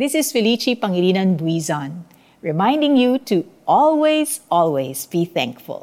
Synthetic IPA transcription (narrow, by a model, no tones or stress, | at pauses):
ðɪsɪsfɪlit͡ʃipɐŋiliːnɐnbwizɔ̃n | ɹɛmãɪ̃ndɪ̃ŋjutuʔɔlˠwezʔɔlˠwezbiθæ̰̃ŋkfʊ̰lˠ